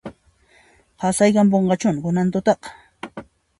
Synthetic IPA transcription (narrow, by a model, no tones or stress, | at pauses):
hɑsajkampoɴɢɑt͡ʃʊnɢʊnant̪ʊt̪ɑq